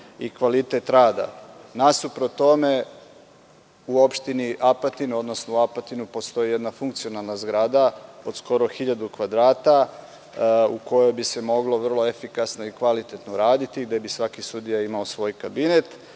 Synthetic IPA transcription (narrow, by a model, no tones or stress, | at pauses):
ikʋalit̪e̞t̪ɾaːd̪a̰nasupɾot̪o̞me̞ | uo̞pʃt̪iniʔapat̪inuo̞d̪nosnouapat̪inupo̞st̪o̞jije̞d̪nafuŋkt̪sio̞nalˠnazɡɾad̪ao̞d̪sko̞ɾo̞xiʎad̪ukʋad̪ɾaːt̪a | uko̞jo̞jbise̞mo̞ɡlo̞ʋr̩lˠo̞efikasno̞ikʋalit̪e̞t̪noɾaːd̪it̪iɡd̪e̞bisʋakisud̪ijaimaosʋo̞ːjkabine̞t̪